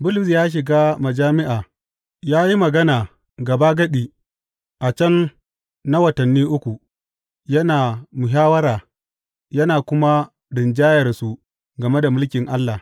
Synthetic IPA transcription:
bʊ˦lʊ˨s̬jaː˦ʃ̬ɪ˨ɡaː˦mɐ˨d͡ʒaː˦mɪ˦ʔaː˨ | jaː˦ji˦mɐ˨ɡɐ˦naː˨ | ɡɐ˨baː˦ɡɐ˦ɗiː˨ | ʔa˨t͡ʃɐ˦n | na˦wɐ˨tɐ˨nːiː˦ʔʊ˦kʷu˨ | jɐ˦naː˨mʊ˨ɦaː˦wɐ˦ɾaː˨ | jɐ˦naː˨kʷʊ˦ma˦ | dɪ˨nd͡ʒaː˦jɐ˨rsu˨ | ɡɐ˨me˦da˨mʊ˦lkʲɪ˨ŋʔa˦lːa˨

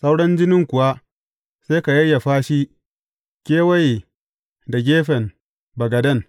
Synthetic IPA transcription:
sa˦wɽɐ˦nd͡ʒɪ˦nɪ˦ŋkʷʊ˨wa˦ | se˦ka˨jɐ˦jːa˨ɸaː˦ʃi˦ | kʲeː˦wa˦j | da˨ɡʲeː˦ɸɛ˨n | bɐ˨ɡɐ˨dɐ˦˨n

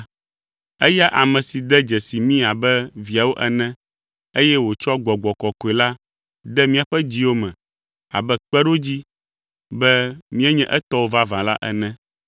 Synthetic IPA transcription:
ɛ˦ja˦ʔa˨mɛ̃˨si˨d̪ɛ˦d͡ʒɛ˨si˨mĩ˦a˨bɛ˦vi˨a˨wo˦ʔɛ˨nɛ̃˦ | e˦jɛ˦wo˨t͡ʃɔ˦ɡ͡bɔ˨ɡ͡bɔ˨kɔ˨ko˨e˨la˦ | d̪ɛ˦mĩ˦a˨ɸɛ˦d͡ʑi˦wo˦mɛ̃˨ | a̰˨bɛ˦k͡pɛ˦ɖo˦d͡ʑi˦ | bɛ˦mĩ˦ɛ˦ɲɛ̃˦ʔɛ˦t̪ɔ˦wo˦va˦vã˨la̰˦ʔɛ̰˨nɛ̃˦

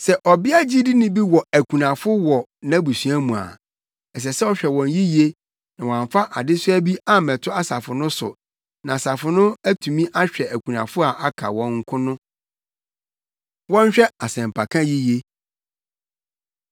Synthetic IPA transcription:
sɛ˨ʔɔ˨bɪ˦a˦d͡ʑi˦di˦nɪ̃˦bi˦wɔ˨æ˨kʰu˨nã˨fʊ˦wɔ˨nã˦bu˨sɥa˦mũ˨a̰˨ | ɛ˨s̬ɛ˨sɛ˦ɔ˦ɕᶣɛ˨wɔ̃˨nji˦je˦ | nã˨wɔ˨ã˨ɱ˨fa˦ʔa˨dɪ˦sʊ˦æ˦bi˦a˦˨mɛ̃˨tʰʊ˦a˦sa˨fʊ˨nʊ̃˦sʊ̰˨ | nã˨a˨sa˨fʊ˨nʊ̃˦æ˦tʰũ˨mĩ˦ʔa˦ɕᶣɛ˨æ˨kʰu˨nã̰˨fʊ˦a˨ʔa˦kʰa̰˨wɔ̃˦ŋ̩˦kʰʊ̃˦nʊ̃˦ | wɔ̃˦n̩˦ɕᶣɛ˦a˨sɛ̃˨m˨pʰa˨kʰã˦ji˦je˦

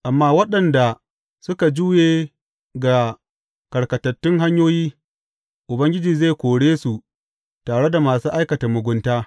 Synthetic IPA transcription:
ʔa˨mːaː˦wɐ˦ɗɐ˨nda˨ | sʊ˦ka˨d͡ʒuː˦jeː˦ | ɡa˨ | kɐ˨ɽkɐ˨tɐ˨tːʊ˦ŋɦa˦ɲjoː˦jiː˦ | ʔʊ˨bɐ˦ŋɡʲɪ˦d͡ʒiː˨ze˦˨kʷoː˨ɽeː˦su˨ | taː˨ɽe˦da˨maː˨suː˦ʔa˦jkɐ˨ta˨mʊ˨ɡʷʊ˦ntaː˦

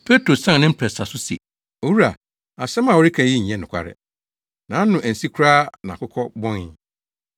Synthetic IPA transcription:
pʰe˦tʰɾo˨sã˦˨nɪ̃˦m̩˦pʰɾɛ˨sa˨sʊ˦sɛ̰˨ | o˨wu˦ɾa˨ | a˨sɛ̃˦mã˨wo˦ɾi˦kʰã˨˦i˦ɲ̩˨ɲɛ̃˦nʊ̃˨kʷʰa̰˦ɾɪ̰˨ | nãː˨˦n̩˦nʊ̃˨ʔæ̃˨n̩˨si˦kʰu˦ɾaː˦nã̰˨kʊ˦kʰɔ˦bɔ̃˦nɪ˦

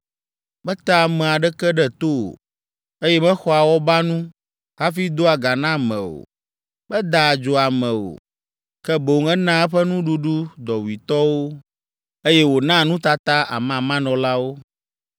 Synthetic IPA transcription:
bɛ˦t̪a˦˨mɛ̃˨a˨ɖɛ˦kɛ˦ɖɛ˦t̪o˦o̰˨ | e˦jɛ˦mɛ̃˦xɔ˦a˨wɔ˦ba˦nũ˦ | ɦa˦fi˦d̪o˦a˨ɡa˨nã˦mɛ̰̃˨o̰˨ | bɛ˦d̪a˨d͡ʒo˨a˨mɛ̃˨o̰˨ | kɛ˦bo˨ŋɛ˦nã˦ɛ˦ɸɛ˦nũ˦ɖu˦ɖu˦d̪ɔ˨wi˨t̪ɔ˦wo˦ | e˦jɛ˦wo˨nã˦nũ˦t̪a˦t̪a˦ʔa̰˨mã˨mã˦nɔ̃˨la˦wo˦

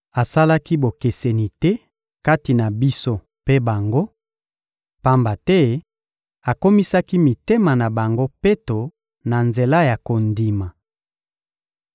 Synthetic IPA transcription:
a˨sa˦la˦ki˦bo˨ke˨se˨ni˨tɛ˦ | ka˦ti˨na˨bi˦so˦ | pe˦ba˨ŋɡo˦ | pa˦mba˨tɛ˦ | a˨ko˦mi˦sa˦ki˦mi˨te˦ma˨na˨ba˨ŋɡo˦pe˦to˨ | na˨nze˨la˦ja˨ko˨ndi˨ma˨

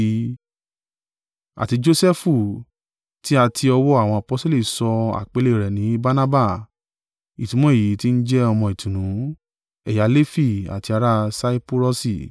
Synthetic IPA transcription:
a̰˨ti˧d͡ʒo˦sɛ˦fu˦˨ | ti˦a˧tʰi˧ɔ˧wɔ˦a˦˨w̃ɔ̃˧a˨pɔ˧˦sto˦li˦˨sɔ˧a̰˨k͡pe˨˦le˦˨ɾɛ˨nĩ˨˦ba˦na˦ba˦˨ | i˨tũ˨˦mɔ̃˦e˨ji˨˦ti˦n̩˦d͡ʒɛ˦ɔ˧mɔ̃˧i˨tũ˨nũ˨˦ | ɛ˨ja˨˦le˦fi˦˨a̰˨ti˧a˨˧ɾa˦sa˦i˦po˦ɾɔ˦si˦˨

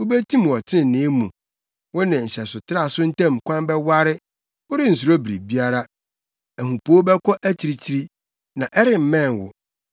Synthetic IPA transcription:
wʊ˦be˦tʰĩ˦m˨ɔ˨tʰɪ˦nɪ̃˨nɪ̃˨˦mũ˨ | wʊ˦nɪ̃˨n̩˨ɕɛ˨sʊ˨tʰɪ˦ɾa˦˨sʊ˦n̩˦tʰɛ̃˦˨mkʰʷã˦mbɛ˦wa˦ɾɪ˦ | ʊ˦ɾɪ˦n̩˨s̬u˨ɾo˦bɾi˨bi˦a˦ɾa˦ | æ˨hũ˨pʰo˦bɛ˦kʰɔ˦ʔæ˦t͡ɕʰi˨ɾi˦t͡ɕʰi˦ɾi˦ | nã˨ʔɛ˦ɾɪ˨m̩˨mɛ̃˦˨n˨wʊ̰˨

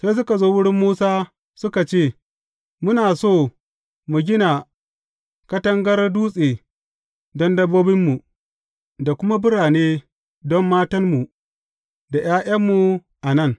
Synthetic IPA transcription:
seː˦s̬ʊ˦ka˨zoː˦wʊ˦ɽɪ˦mːuː˦saː˦ | sʊ˦ka˨t͡ʃeː˦˨ | mʊ˦naː˨soː˦˨ | mu˨ɡʲɪ˦na˨ | kɐ˦tɐ˦ŋɡɐ˦rduː˦sʼeː˨ | dɔ˦ndɐ˦bːoː˦bɪ˦mːu˨ | da˨kʷʊ˦ma˦bʊ˦ɽaː˨neː˦ | dɔ˦mːaː˦tɐ˦rmu˨ | da˨j̰aː˦ʔɐ˦mːu˨ | ʔa˨nɐ˦˨ŋ

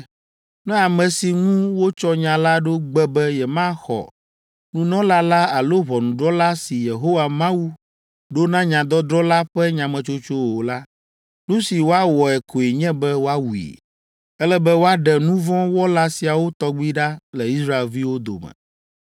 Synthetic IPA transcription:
nɛ̃˦a˨mɛ̃˨si˨ŋũ˦wo˦t͡ʃɔ˦ɲã˨la˦ɖo˦ɡ͡bɛ˦bɛ˦jɛ˨mã˦xɔ̰˨ | nũ˦nɔ̃˦la˦la˦a˨lo˦βɔ˨nũ˨ɖɾɔ˦la˦si˨je˨ɦo˦wa˨mã˦wu˦ | ɖo˦nã˦ɲã˨d̪ɔ˦d̪ɾɔ˦la˦ɸɛ˦ɲã˨mɛ̃˨t͡ʃo˦t͡ʃo˦wo˨la˦ | nũ˦si˨wo˦a˦wɔ˨ɛ˨kʰo˨e˨ɲɛ̃˦bɛ˦wo˦a˦wu˨ḭ˨ | ɛ˦lɛ˦bɛ˦wo˦a˦ɖɛ˨nũ˦vɔ̃˦wɔ˦la˦si˨a˨wo˦t̪ɔ˦ɡ͡bi˦ɖa˦lɛ˨i˦sɾa˦e˨lvi˦wo˦d̪o̰˨mɛ̰̃˨

